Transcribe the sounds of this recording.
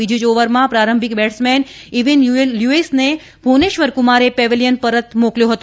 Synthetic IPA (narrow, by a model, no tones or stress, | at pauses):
id͡ʒid͡ʒoʋəɾmãpɾaɾəmbʱikbɛʈsmɛn | iʋinjuesne | bʱoneʃʋəɾkʊmaɾepɛʋiljənpəɾət̪mokljõɦət̪o